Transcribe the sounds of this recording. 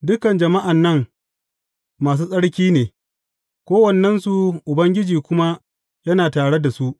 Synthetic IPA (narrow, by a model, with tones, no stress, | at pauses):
dʊ˦kɐ˨nd͡ʒɐ˨ma˦ʔa˨nːɐ˦ŋ | maː˨s̬uː˦sʼɐ˦ɽkʲiː˦neː˨ | kʷoː˦wɐ˨nːɛ˦nsu˨ʔʊ˨bɐ˦ŋɡʲɪ˦d͡ʒiː˨kʷʊ˦ma˦ | jɐ˦naː˨taː˨ɽe˦da˨su˦ʔ